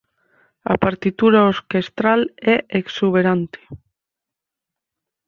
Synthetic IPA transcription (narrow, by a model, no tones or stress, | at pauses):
a̰paɾt̪it̪uɾaoɾkest̪ɾalɛʔeksuβ̞eɾant̪e̥